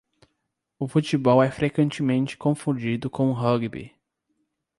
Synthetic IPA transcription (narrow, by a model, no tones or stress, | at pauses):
ʊfut͡ʃibɔwɛfɾekwẽnt͡ʃɪmẽnt͡ʃɪ̥kõfũd͡ʒid̪ʊkõw̃ʊɦɐɡbḭ